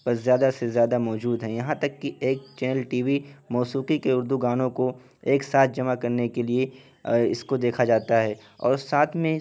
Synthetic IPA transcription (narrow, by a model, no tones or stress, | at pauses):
pɐɾzjaːd̪asezjaːd̪amɔːd͡ʒuːd̪ɦɛ̃jɐɦãt̪ɐkːieːk̚t͡ʃɛːnəlʈiːʋimɔːsuːqikeʊɾd̪uɡaːnõko | eːksaːt̪̚ʰd͡ʒɐmakɐɾnekelie | ɪskod̪eːkʰad͡ʒaːt̪aɦɛː | ɔ̰ːɾsaːt̪ʰmẽ